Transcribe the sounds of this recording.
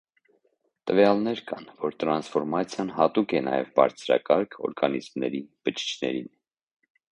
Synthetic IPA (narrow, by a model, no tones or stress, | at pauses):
t̪əvjɑlnɛɾkɑnvɔɾt̪ɾɑnsfɔɾmɑt͡sʰjɑnhɑt̪ukɛnɑ̰jɛ̰vbɑ̰ɾt͡sʰɾɑ̰kɑɾkʰɔ̰ɾɡɑnizmnɛɾib̥ət͡ʃʰi̥t͡ʃʰnɛ̰ɾin